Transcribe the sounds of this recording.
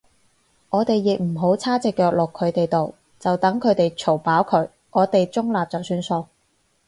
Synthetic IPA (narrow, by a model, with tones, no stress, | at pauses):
ŋɔː˨˧t̪e˨jːɪ˨k̚m̩˨˩ɦo˨˥wt͡sʰaː˥t͡sɪ˨kːœː˧k̚lʊ˨kʰːɵ˨˧ɥt̪e˨jt̪o˨w | t͡sɐ˨wt̪ɐ˨˥ŋkʰɵ˨˧ɥt̪e˨jt͡sʰo˨˩wpaː˨˥wkʰɵ˨˧˥ɥ | ʔɔː˨˧t̪e˨jt͡sʊ˥ŋlaː˨p̚t͡sɔ˨˩wsyː˧nso˧w